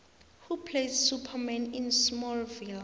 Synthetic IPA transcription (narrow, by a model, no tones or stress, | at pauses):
hupʰlessupʰamɛ̃nĩnsmɔlvil